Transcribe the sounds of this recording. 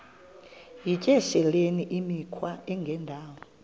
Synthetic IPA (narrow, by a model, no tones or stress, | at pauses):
jicʼɛʃɛleniʔimikʰwaɛŋɡʱɛndʱaːwɔ